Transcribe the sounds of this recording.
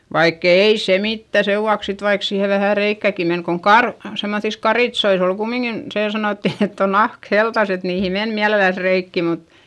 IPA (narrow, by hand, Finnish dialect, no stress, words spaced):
ʋɑikː eˑi se mitːæ seʋːuɑks sit ʋɑik siːhe ʋæhæ reikːæˑki men koŋ kɑr semːoθis kɑritsois ol kumːiŋkin seː sɑnoˑtːi etː on nɑhk heltɑs et niːhi men miælelæs reikːi mut